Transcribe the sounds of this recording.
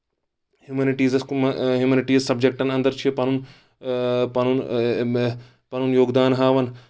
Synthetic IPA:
hjuminɪʈiːzɐskɦjuminɪʈiːzsɐb̚d͡ʒek̚ʈɐnɐ̃nd̪ɐɾt͡ʃʰipɐnun | pɐnun | pɐnunjoːɡd̪aːnɦaːʋɐn

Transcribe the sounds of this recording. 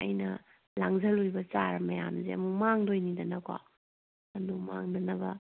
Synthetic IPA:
ɐ̰jnɐ | laŋzɐlojbɐt͡ʃaɾɐmɐjamzeɐ̰mumaŋdojnidɐnɐkwa̰ | ɐnumaŋdɐnɐbɐ

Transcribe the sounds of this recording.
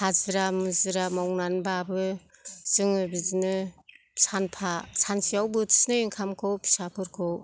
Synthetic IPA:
hazɯɾamɯzɯɾamawnanbaːbɯz̥ɯŋɯbizinɯ | sanpʰasansijawbɯtʰi̥snɯjɯŋkʰamkʰɯwpʰi̥sapʰɯɾkʰɔw

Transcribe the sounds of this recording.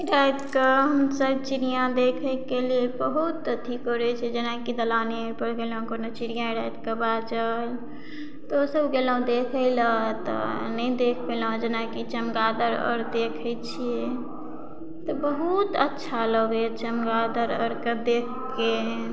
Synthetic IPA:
iɾajd̪keɦəmsəbt͡ʃiɾijãd̪ekʰəkeliebəɦut̪tʰikɦoɾɛt͡ʃʰɛd͡ʒenakid̪əlane | pəɽɡel̃konət͡ʃiɾijãiɾajd̪kebad͡ʒəl | t̪osəbɡelaũd̪ekʰəɪlat̪ɔ̰ | nəid̪ekʰbelãd͡ʒenakit͡ʃəmɡad̪əɾə̰ɾd̪ekʰəjt͡ʃʰije | t̪ɔbəɦut̪ətːʃʰaləɡɛt͡ʃəmɡad̪əɾə̰ɾkəd̪ekʰ | ke

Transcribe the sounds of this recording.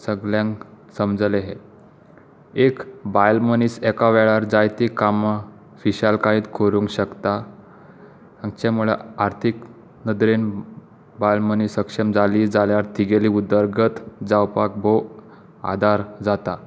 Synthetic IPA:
səɡljãŋ | səmd͡zəleɦe | ekbajlməniːsɛkaʋɛɭaɾd͡zajt̪ikama | fiɕalkaiːt̪kʰoɾuŋkɕəkt̪a | ãŋt͡ɕɛmuɭḛaɾt̪ʰik | nəd̪ɾen | bajlməniːsəkʂəmd͡zalid͡zaljaɾt̪ʰiɡeliːud̪əɾɡət̪d͡zawpak̚bo | a̰d̪ʱaɾd͡zat̪a

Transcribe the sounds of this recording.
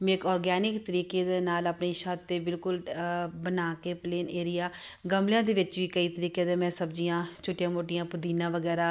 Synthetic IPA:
mẽkɔːɾɡɛːnɪkt̪əɾiːkeːd̪eːnaːləpniːʃatt̪ːeːbɪlkʊlbənaːkeːpleːneːɾɪjaː | ɡəmljãːd̪eːʋɪt͡ʃʋiːkəiːt̪əɾiːkjẽːd̪emɛ̃ːsəbd͡ʒijãːt͡ʃʰʊʈːjãːmoːʈijãːpʊd̪iːnãːʋəɡɛːɾaː

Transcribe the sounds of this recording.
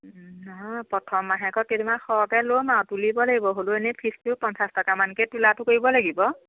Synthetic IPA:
nɔɦɔjpɹɔtʰɔmːaɦɛkɔketimaxɔkɛlomawtulibɔlaɡibɔɦolʊenɛpʰistupɔnsastɔkamankɛtulatʊkoɹibɔlaɡibɔ

